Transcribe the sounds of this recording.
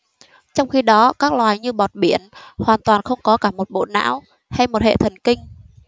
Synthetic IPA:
t͡ɕɔ˧wŋ͡mxi˧ɗɔ˨˦kaː˦˥k̚lwaː˨˩jɲɨ˧ɓɔ˨˩t̚ɓi˧˩˨ənhwaː˨˩nt̪waː˨˩nxə˧wŋ͡mkɔ˨˦kaː˧˩mo˨˩t̚ɓo̰˧˨na̰ː˧˥w | ha˧jmo˨˩t̚hḛ˧˨t̪ʰə˨˩nkï˧ŋ̟

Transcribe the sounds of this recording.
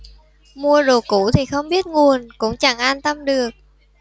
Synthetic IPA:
mu˧əɗo˧˩kṵ˧˥t̪ʰi˨˩xə˧wŋ͡mɓi˦˥ət̚ŋu˨˩ənkʊ̰˧˥ŋ͡mt͡ɕa˧˩ŋʔaː˧nt̪ə˧mɗɨ˨˩ək̚

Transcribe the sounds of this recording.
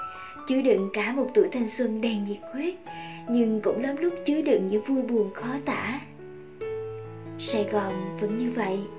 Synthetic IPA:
t͡ɕɨ˨˦ɗɨ̰˧˨ŋkaː˧˩mo˨˩t̚t̪ṵ˧˩˨jt̪ʰa˨˧jŋ̟swə˧nɗɛ˧nɲi˨˩t̚xwi˦˥t̚ | ɲɨ˧ŋkʊ̰˧˥ŋ͡mləː˨˦mlʊ˦˥k͡p̚t͡ɕɨ˨˦ɗɨ̰˧˨ŋɲɨ̰˧˥ŋvu˧jɓu˨˩ənxɔ˨˦t̪a̰ː˧˥˨ | saː˧˩jɣɔ˨˩nvə̰˧˥nɲɨ˧və̰˧˨jʔ

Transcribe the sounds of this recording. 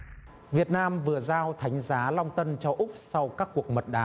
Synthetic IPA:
vi˨˩ət̚naː˧mvɨ˨˩əzaː˧wt̪ʰa˨˦jŋ̟zaː˨˦lɔ˧wŋ͡mt̪ə˧nt͡ɕɔ˧ʔʊ˦˥k͡p̚sa˧wkaː˦˥kːu˨˩ək̚mə˨˩t̚ɗaː˨˦

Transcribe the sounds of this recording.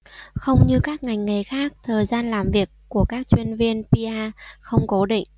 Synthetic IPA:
xə˧wŋ͡mɲɨ˧kaː˦˥k̚ŋa˨˩jŋ̟ŋa˨˩jxaː˦˥k̚t̪ʰəː˨˩jzaː˧nlaː˨˩mvi˨˩əkːu˧˩əkaː˦˥k̚t͡ɕwi˧ənvi˧ənpi˧ʔaː˧xə˧wŋ͡mko˨˦ɗḭ˧˨ŋ̟

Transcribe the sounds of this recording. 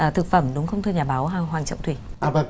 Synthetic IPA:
ʔəː˨˩t̪ʰɨ˨˩k̚fə˧˩mɗʊ˨˦ŋ͡mxə˧wŋ͡mt̪ʰɨ˧ɲaː˨˩ɓaː˨˦wɦaː˨˩ɦwaː˨˩t͡ɕɔ̰˧˨wŋ͡mt̪ʰwi˧˩ʔa˧˩bə˧˩

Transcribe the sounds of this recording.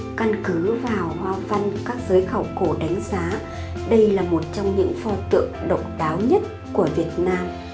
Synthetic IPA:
ka˧nkɨ˨˦vaː˨˩whwaː˧va˧nkaː˦˥k̚zəː˨˦jxə˧˩wko˧˩ɗa˨˦ŋ̟zaː˨˦ | ɗə˧jlaː˨˩mo˨˩t̚t͡ɕɔ˧wŋ͡mɲɨ̰˧˥ŋfɔ˧t̪ɨ̰˧˨əŋɗə̰˨wŋ͡mɗaː˨˦wɲə˦˥t̚ | ku˧˩əvi˨˩ət̚naː˧m

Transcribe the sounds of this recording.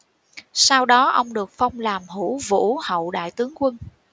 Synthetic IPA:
saː˧wɗɔ˨˦ʔə˧wŋ͡mɗɨ˨˩ək̚fa˧wŋ͡mlaː˨˩mɦṵ˧˩˥vṵ˧˥hə̰˧˨wɗa̰ː˧˨jt̪ɨ˨˦əŋkwə˧n

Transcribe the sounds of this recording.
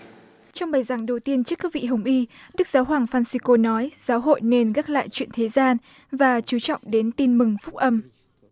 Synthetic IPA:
t͡ɕɔ˧wŋ͡mɓaː˨˩jzaː˨˩ŋɗə˨˩wt̪i˧ənt͡ɕɨ˦˥kːaː˦˥k̚vḭ˧˨ɦə˨˩wŋ͡mʔi˧ɗɨ˦˥k̚zaː˨˦wɦwaː˨˩ŋfaː˧nsi˧ko˧nɔ˨˦jz̥aː˨˦wɦo̰˧˨jne˧nɣaː˦˥k̚la̰ː˧˨jt͡ɕwḭ˧˨ənt̪ʰe˨˦zaː˧n | vaː˨˩t͡ɕu˨˦t͡ɕɔ̰˧˨wŋ͡mɗe˨˦nt̪i˧nmɨ˨˩ŋfʊ˦˥k͡p̚ʔə˧m

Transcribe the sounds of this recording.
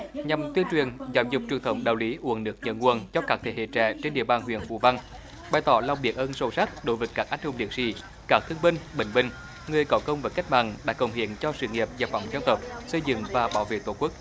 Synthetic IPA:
ɲa˨˩mt̪wi˧ənt͡ɕwi˨˩ənzaː˧˩wzʊ˨˩k͡p̚t͡ɕwɨ˨˩əŋt̪ə˧˩˦wŋ͡mɗa̰ː˨˩wli˨˦ʔu˧˩ənnɨ˦ək̚ɲə̰˧˩nŋu˧˩ənt͡ɕɔ˧kaː˦˥t̪ʰḛ˧˩hḛ˧˨t͡ɕɛ̰ː˧˨t͡ɕe˧nɗḭ˧˨əɓaː˨˩nɦwḭ˧˨ənvṵ˧˨va˧n | ɓaː˨˩jt̪ɔ˧˦la˧wŋ͡mɓi˨˩ək̚ʔəː˧nsə˧˩sa˦˥t̚ɗo˧˦jvə˨˦jkːaː˦˥k̚ʔa˨˥jŋ̟hʊ˨˧ŋ͡mɗḭ˨˧˩ək̚sḭ˧˥ | kaː˦˥k̚t̪ʰɨ˧əŋɓï˧ŋ̟ɓï˧˨ŋ̟ɓï˧˩ŋ̟ | ŋɨ˨˩əjkɔ˨˦kə˧wŋ͡mvəː˨˦jka˦˥k̚ma̰ː˧˨nɗa̰ː˧˥kə˨˩wŋ͡mɦḭ˧˨˦ənt͡ɕɔ˧sɨ̰˧˩ŋi˨˩əp̚zaː˨˩fa̰˧˩wŋ͡mzə˧ŋt̪ə˨˩p̚sə˧jzɨ̰˧˥ŋvaː˨˩ɓaː˧˦wvḛ˧˨t̪wo˧˩kwu˦˥k̚

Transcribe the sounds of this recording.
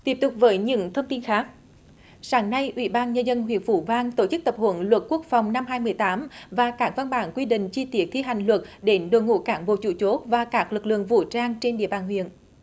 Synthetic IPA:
t̪i˦˥əp̚t̪ʊ˨˩k͡p̚vəː˨˦jɲɨ̰˧˥ŋt̪ʰə˧wŋ͡mt̪i˧nxaː˨˦˥k̚ | saː˨˦ŋna˧jʔwḭ˧˩ɓaː˧nɲə˧nzə˧nɦwḭ˧˨ənfu˧˩vaː˧ŋt̪o˧˩t͡ɕɨ˦˥k̚t̪ə˨˩p̚hṵ˧˦nlwə˨˩t̚ku˦˥ək̚fa˨˩wŋ͡mna˧mɦaː˧jmɨ˨˩əjt̪aː˨˦mvaː˨˩kaː˦˥k̚va˧nɓaː˧˩˦nkwi˧ɗḭ̈˧˨ŋ̟t͡ɕi˧t̪i˦˥ək̚t̪ʰi˧ɦa˨˩jŋ̟lwə˨˩t̚ɗe˨˦nɗo˨˩jŋṵ˧˨kaː˧˦nɓo̰˧˨t͡ɕu˧˩t͡ɕo˦˥t̚vaː˨˩kaː˦˥k̚lɨ˨˩k̚lɨ̰˧˨əŋvṵ˧˩t͡ɕaː˧ŋt͡ɕe˧nɗḭ˧˨əɓaː˨˩nhwḭ˧˨ən

